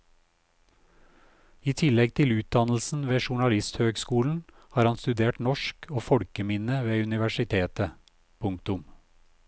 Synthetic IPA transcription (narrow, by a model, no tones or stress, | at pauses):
iːt̪ʰɪlɛɡ̚t̪ʰɪlʉːt̪̚d̪ɑnl̩sn̩ʋeːʃʊɳɑlɪst̪høːɡskuːln̩ | hɑːɾhɑnst̪ʉd̪eːʈnɔʃkʰoːfɔɽkəmɪnəʋeːʉnɪʋæʃɪt̪ʰeːt̪ə | pʰʊŋkt̪ʊm